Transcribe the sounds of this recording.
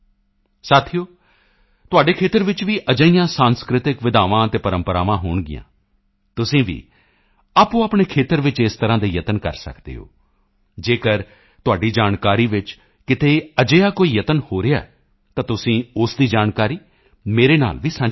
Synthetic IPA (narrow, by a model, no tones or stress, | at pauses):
saːt̪ʰioː | t̪ʊaːɖeːkʰeːt̪əɾʋɪt͡ʃʋiːʔəd͡ʒəijãːsãːnskɾɪt̪ɪkʋɪd̪aːʋãːt̪eːpəɾəmpəɾaːʋãːɦoːɳɡɪ̰jã̰ː | t̪ʊsĩːʋḭː | aːpõːaːpɳeːkʰeːt̪əɾʋɪt͡ʃɪst̪əɾãːd̪eːjət̪ənkə̰ɾsə̰kd̪ḛːɦo̰ː | d͡ʒeːkəɾ | t̪ʊaːɖiːd͡ʒaːnkaːɾiːʋɪt͡ʃ | kɪt̪eːəd͡ʒeːaːkoːiːjət̪ənhoːɾejaɛː | t̪ãːt̪ʊsĩːʊsd̪iːd͡ʒaːnkaːɾiː | meːɾeːna̰ːlʋiːsə̃